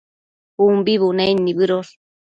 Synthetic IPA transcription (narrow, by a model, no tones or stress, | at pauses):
umbiβunanːiβɨɾoɾ